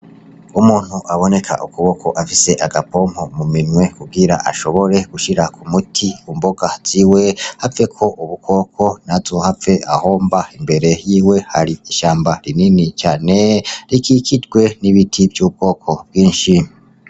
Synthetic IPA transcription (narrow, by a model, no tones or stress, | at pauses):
umuːn̥huʔaβo̞ne̞kʰa̰ʔukuβo̞kʰo̞ʔafise̞ʔaɡapo̞ːm̥homuminŋwe̞kub̚ɡiɾa̰ʔa̰ʃo̞βo̞ɾe̞ɡ̥uʃiɾakʰumutʰiumboɡ̥az̥iːwe̞hafe̞kʰo̞ʔuβukʰo̞ːkʰo̞nazohaveʔahoːmbaimbe̞ɾe̞jiːwe̞haɾiiʃaːmbaɾininit͡ʃaːne̞ɾikikʰidɡwe̞niβitʰivjuːb̚ɡo̞ːkʰo̞b̚ɡwiːnʃi